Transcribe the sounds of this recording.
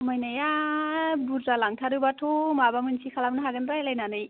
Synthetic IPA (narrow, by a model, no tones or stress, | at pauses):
majnaja | buɾtalaŋtʰaɾɯbatʰomabamɯnsʰikʰalamnaɦaɡɯnpɾajlajnanɯj